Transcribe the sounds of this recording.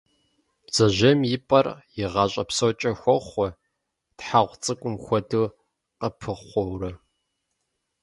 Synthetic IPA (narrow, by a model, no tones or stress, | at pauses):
b̥z̥ɐʑɐmjɪpʼɐrjɪʁɑːɕʼɐpsowt͡ʃʼɐxʷɔχʷɔ | tħaʁʷt͡sʼɨkʷʼʊmxʷɔdɨ | qəpʰɨʁʷɔwrɐ